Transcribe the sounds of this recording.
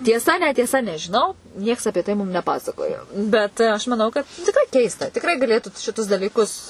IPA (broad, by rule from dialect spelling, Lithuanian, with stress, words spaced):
tʲiɛˈsɐ nʲɛtʲiɛˈsɐ nʲɛʒʲɪˈnɐʊ ˈnʲiɛks ɐpʲiɛ ˈtɐɪ ˈmʊm nʲɛˈpɑːsɐkoːjoː ˈbʲɛt ˈɐʃ mɐˈnɐʊ ˈkɐt tʲɪkˈrɐɪ ˈkʲɛɪstɐ tʲɪkˈrɐɪ ɡɐˈlʲeːtʊ ʃʲɪˈtʊs dɐlʲiːˈkʊs